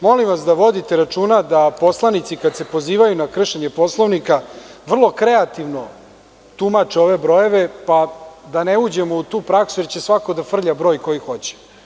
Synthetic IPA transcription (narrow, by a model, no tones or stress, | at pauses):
mo̞limʋasd̪aʋo̞d̪it̪eɾat͡ʂuːnad̪apo̞slˠanit̪sikad̪se̞po̞ziːʋajunakr̩ʃeɲe̞po̞slˠoʋnikaʋr̩lˠo̞kɾe̞at̪iʋno̞ | t̪umat͡ʂeo̞ʋe̞bɾo̞je̞ʋe̞pad̪aneud͡ʑemout̪uːpɾaksujeɾt͡ɕe̞sʋakod̪afr̩ʎabɾo̞ːjko̞jixo̞t͡ɕe̥